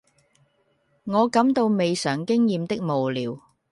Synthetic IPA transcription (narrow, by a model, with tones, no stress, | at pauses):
ŋɔː˨˧kɐ˨˥mt̪o˧wme˨jsœː˨˩ŋkɪ˥ŋjiː˨˧mt̪ɪ˥k̚mo˨wliː˨˧w